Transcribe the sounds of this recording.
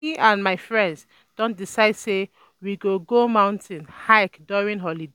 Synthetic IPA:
iʔãnmaɪfɹɛ̃ndz | d̥ɔ̃nt̚disaɪd̥se | wiɡoɡomãʊ̃ntʰĩnhaɪkdɔɹĩnɦɔlide

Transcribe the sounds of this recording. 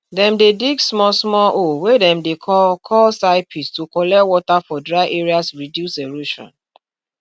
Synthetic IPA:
dɛ̃mdediɡsmɔsmɔʔowedɛ̃mdekkʰɔlsaɪpʰistukɔlɛwɔtafɔdɹaɪʔeɹiasɹidjuseɹuʃɔ̰̃n

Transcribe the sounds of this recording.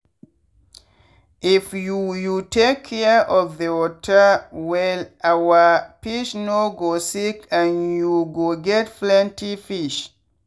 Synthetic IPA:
ʔifjujutʰekʰːɛʔɔvðəwɔtʰəwɛlawəpiʃnoɡosikãnjuɡoɡɛtflɛ̃ntifiʃ

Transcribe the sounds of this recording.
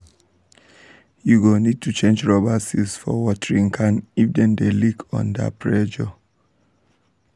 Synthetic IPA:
juɡonid̚tʰut͡ʃẽnd͡ʒɹɔbasisfɔ̰wɔtəɹĩŋkʰãnifdɛ̃ndelikʰɔ̰̃nda̰pʰɹɛd͡ʒɔ

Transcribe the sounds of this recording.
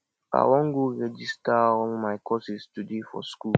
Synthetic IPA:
a̰wɔ̃ŋɡuɹɛd͡ʒistaɔ̃mmaɪkʰɔsistudefɔ̰sku

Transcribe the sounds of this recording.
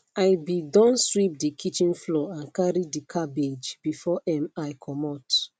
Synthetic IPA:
ajbidɔ̃nswip̚dikʰit͡ʃĩnflɔãnkaɹidikʰabed͡ʒbifɔʔɛ̃majkʰɔmɔt

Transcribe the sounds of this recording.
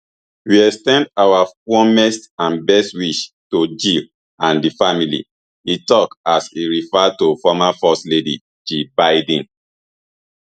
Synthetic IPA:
wiɛkstɛ̃ndawafɔmɛstãnbɛstwiʃtod͡ʒil | ãndifamilḭ | itɔkasiɹifɛtofɔmafɔsledḭ | d͡ʒibaɪd̃n

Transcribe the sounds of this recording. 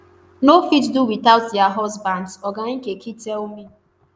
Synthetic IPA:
nofitduwiθaʊt̚dɛaɦɔzbãndsɔɡaĩkekʰitɛlmi

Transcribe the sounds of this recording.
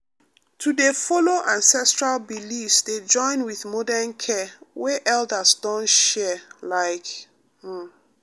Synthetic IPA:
tʰudefɔloʔãnsɛstɹalbilifsded͡ʒɔ̃ɪ̃nwiθmɔdɛnkʰɛwɛʔɛldəsdɔ̃nʃɛlaɪk̩

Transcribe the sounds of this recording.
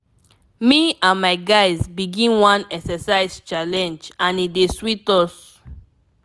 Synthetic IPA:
miãnmaɪɡaɪzbiɡĩnwãnɛksɛsaɪzt͡ʃalɛ̃nd͡ʒãnideswitɔs

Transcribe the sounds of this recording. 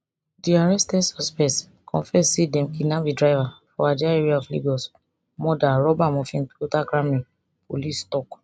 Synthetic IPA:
diaɹɛstɛdsɔspɛ̃s | kʰɔ̃fɛssedɛ̃mkinãbidɹaɪvafɔad͡ʒaaɛɹiaɔflḭɡɔs | mɔdaɹɔbamɔ̃fĩnotaɡɾãmĩ | polistɔk

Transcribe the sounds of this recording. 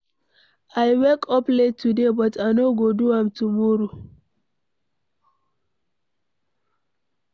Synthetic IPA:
ʔajwɛkʰɔpletʰːudebɔtʰajnoɡoduamtumoɾu

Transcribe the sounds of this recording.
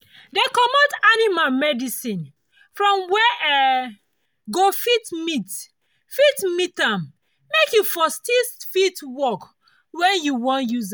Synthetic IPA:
dekɔmɔ̃danimalmɛdisĩn | fɹɔ̃mwɛʔɛ | ɡofitmit | fitmitãm | mekjufɔstisfitwɔk | wɛ̃njuwɔ̃njuz

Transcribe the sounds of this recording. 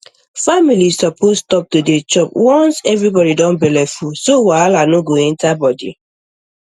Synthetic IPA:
familissɔpʰostɔp̚todet͡ʃɔpwɔ̃nsɛvɹibɔɾidɔ̃nbɛlɛfusowalanoɡoɛ̃ntabɔdḭ

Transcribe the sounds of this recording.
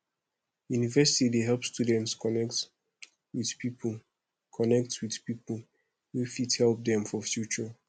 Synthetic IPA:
junivɛsitideɦɛlˠpstjudɛ̃ntskɔnɛkt | wið̥pip | kʰɔnɛk̚twið̥pipəl | wifithɛlˠp̚dɛ̃mfɔfjut͡ʃɔ

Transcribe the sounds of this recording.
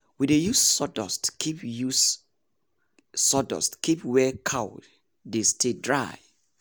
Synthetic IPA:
widejussɔdɔ̰stkʰipjus | sɔdɔ̰stkʰipwɛkʰawd | destʰedɹaj

